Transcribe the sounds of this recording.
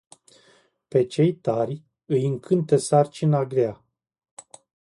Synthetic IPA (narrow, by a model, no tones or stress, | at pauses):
pe̞t͡ʃe̞jt̪arʲ | ɨjɨŋkʰɨnt̪esart͡ʃinaɡɾea